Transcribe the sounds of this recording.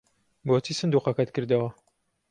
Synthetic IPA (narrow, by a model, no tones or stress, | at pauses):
boːt̪ʰiːsɨnd̪uːqɑkɐt̪kɨɾd̪ɐwɐ